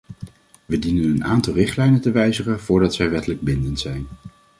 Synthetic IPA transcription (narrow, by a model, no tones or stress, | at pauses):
ʋədinənənʔaːntɑlˠrɪχtlɛjnəntəʋɛjzəχəv̥ʊːɹdɑtsɛjʋɛtələɡ̚bɪndəntsɛjn